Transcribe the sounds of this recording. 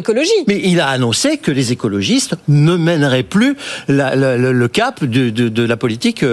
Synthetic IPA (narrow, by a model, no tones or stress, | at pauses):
kɔlɔʒimɛʔilaːnɔ̃sekəlezekɔlɔʒist̪nəmɛnʁɛplylalələləkapd̪əd̪əd̪əlapɔlit̪ik